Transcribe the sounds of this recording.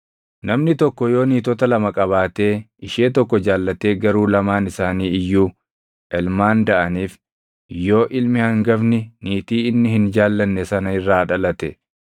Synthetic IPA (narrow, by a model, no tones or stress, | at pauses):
nɐmnɪt̪ɔkːɔjo̞ːniːt̪ɔt̪ɐlɐmɐkʼɐβaːt̪e̞ː | ɪʃeːt̪ɔkːɔd͡ʒaːlːɐt̪e̞ːɡɐɾuːlɐmaːnɪsaːniːɪjːuː | ʔɛlmaːnd̪ɐʔɐniːf | jo̞ːʔɪlmɪhɐŋɡɐbnɪniːt̪iːɪnːɪhɪnd͡ʒaːlːɐnːɛsɐnɐɪrːaːᶑɐlɐt̪ɛ